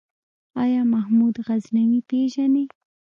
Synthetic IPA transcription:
ɑjɑːmahmud̪ɣaznaŋipeʒane

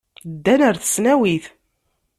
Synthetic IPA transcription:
d̪ːænəɾθə̥snæwiθ

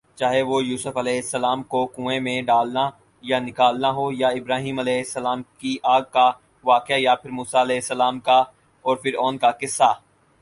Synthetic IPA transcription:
t͡ʃaːɦeʋojuːsʊfɐlɛːɦɪsːəlaːmkokũːẽmẽɖaːlna | janɪkaːlnaɦojaɪbɾaːɦĩːmɐlɛːɪsːəlaːmkiʔaːɡ̚ka | ʋaːkɪjajapʰɪɾmuːsaɐlɛːɦɪsːəlaːmka | ɔːɾpʰɪɾɔːnkakɪsːaː

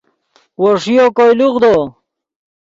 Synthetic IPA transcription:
woʂijokojluʁd̪o

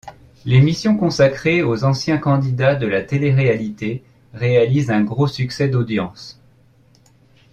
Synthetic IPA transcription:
lemisjɔ̃kɔ̃sakχeozɑ̃sjɛ̃kɑ̃d̪id̪ad̪əlat̪eleʁealit̪e | ʁealizɛ̃ɡʁosyksɛd̪od̪jɑ̰̃s

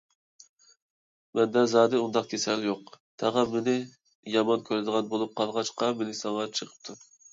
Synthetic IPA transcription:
mɛnd̪ɛzɑːd̪ɨund̪ɑq̚kʲʰesɛljoqt̪ʰɛʁɑmɪnɪ | jɑmɑnkʲʰøɾɪd̪əʁɑnbolˠup̚qʰɑlˠʁɑt͡ʃqɑmɪlɪsɑŋʁɑt͡ʃʰəqʰə̥p̚t̪ʰu

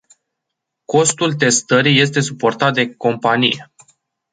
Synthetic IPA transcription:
ko̞st̪ult̪e̞st̪əɾije̞s̬t̪e̞supo̞rt̪at̪̚d̪e̞ko̞mpanije̞

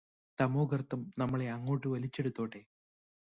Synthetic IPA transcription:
t̪ɐmoːɡɐrt̪ːɐmnɐmːɐɭe̞ɐŋːo̞ːʈːɨʋɐlit͡ɕːe̞ɽut̪ːo̞ːʈːe̞

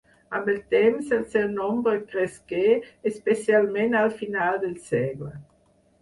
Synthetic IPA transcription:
ambelt̪ɛmselsɛwnɔmbɾəkɾeskeːspesjalmẽnalfinald̪elsɛɡlə

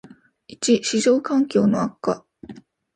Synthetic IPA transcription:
it͡ɕiɕiʑo̞ːkãŋkʲo̞ːnoakːa̰

